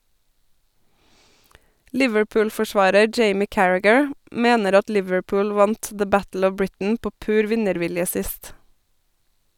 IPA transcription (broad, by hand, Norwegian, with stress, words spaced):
ˈlɪʋəɹˌpʉːlfɔˌʃʋɑːɾə ˈd͡ʒeɪmɪ ˈkæɹæɡəɹ ˈmeːnəɾ ˈɑt ˈlɪʋəɹˌpʊːl ˈʋɑnt ðə ˈbætl̩ ˈɔʋ ˈbɹɪtn̩ ˈpoː ˈpʉːɾ ˈʋɪnəɾˌʋɪljə ˈsɪst